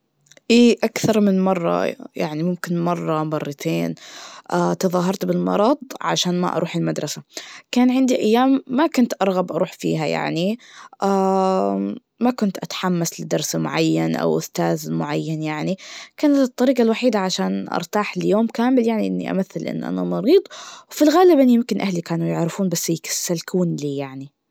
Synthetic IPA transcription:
ʔiːʔakθɑɾˤmɪnmɑrˤːɑ̰jaʕnimʊmkɪnmɑrˤːɑmɑrˤːɑt̪ʰeːnʔat̪ɑðˤɑːɦɑɾˤt̪bɪlmɑ̰ɾˤɑd̪ˤʕa̰ʃaːnma̰ʔɑ̰ɾˤʔuːħɪlmad̪ɾˤɑsakaːnʕɪnd̪iʔajːaːmːakʊnt̪ʔɑɾˤɣabʔɑɾuːħfḭːɦaja̰ʕniʔaː | makʊnt̪ʔat̪ḁħamːaslɪd̪ɑɾˤsmʊ̰ʕajːanʔa̰wʔʊst̪aːðmʊʕajːanjaʕnikaːnat̪ɨt̪ˤːɑɾiːqalwaħiːd̪aʕaʃaːnʔɑ̰ɾˤt̪aːħɪljoːmkaːmɪljaʕniʔɪnːḭʔa̰maθːɪlʔɪ̰n̰ːʔa̰na̰mɑɾiːd̪ˤwfilɣaːlɪbʔɪnːijɪmkɪnʔahlikaːnujɪʕɾɪfuːnbasːjkḁsːalkuːnliːjaʕni

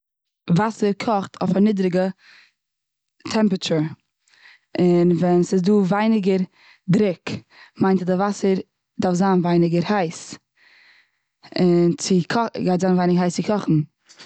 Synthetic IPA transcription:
vasəɾkʰɔχtʰɔ̰fanidɾɪɡə | tʰɛmpɾət͡ʃəɹ | ɪnvɛnsɪsduːvaɪnɪɡəɾ | dɾɪk | maɪntadavasəɾ | dafzaːnvaɪnɪɡəɾhaɪs | ɪnt͡sɪkʰɔɡaɪtzaːnvaɪnɪɡəɦaɪst͡sɪkʰɔχn̩

